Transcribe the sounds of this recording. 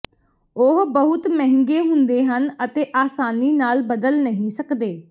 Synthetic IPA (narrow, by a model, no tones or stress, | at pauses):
ʊɦbəɦʊt̪mɛɦɪ̃ŋɡeːɦʊ̃nd̪eːɦənət̪eːʔaːsaːniːnaːlbəd̪əlnəɦĩːsəkd̪eː